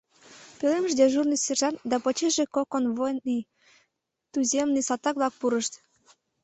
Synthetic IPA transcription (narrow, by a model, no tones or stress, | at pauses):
peleməʃd̪eʒurnɨsʲerʒɑnd̪ɑpot͡ɕeʒekokonβojnij | t̪uzʲemnisɑt̪ɑkβlɑk̚puɾəʃt̪